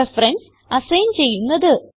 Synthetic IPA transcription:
ɐfɾɐns | ɐsɐjnt͡ɕe̞jːunːɐðɨ

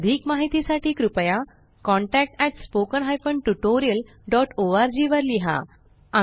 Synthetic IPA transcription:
d̪ʱiːkmaɦit̪isaʈʰiːkɾupja | kɔ̃ɳʈɛk̚ʈɛʈspokənɦajfəɳʈuʈoɾijəl | ɖɔʈoaɾd͡ʑiʋəɾliɦa̰ | a

